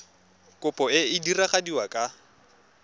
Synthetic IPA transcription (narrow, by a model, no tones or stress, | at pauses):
kʼʊpʼɔɪɪdiraχadiwakʼa